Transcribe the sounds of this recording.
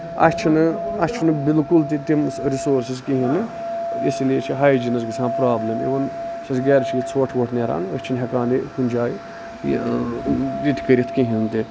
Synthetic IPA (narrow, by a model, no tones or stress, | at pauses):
ɐ̰sʲt͡ʃʰinɨɐsʲt͡ʃʰinɨbilkult̪̬it̪imɾisoːɾsizkiɦinɨ | islijet͡ʃʰiɦaːjd͡ʒinɐzɡit͡sʰaːnpɾaːblʲemḭʋɐnsɐsɡɛːɾt͡ʃʰijit͡sʰʋɐʈʰʋɐʈʰneɾa̰ːnɐsʲt͡ʃʰinɦʲɐkaːnikunʲd͡ʒaːj̰ | ɾit̪ʰʲi̥kɐɾʲit̪ʰkiɦint̪i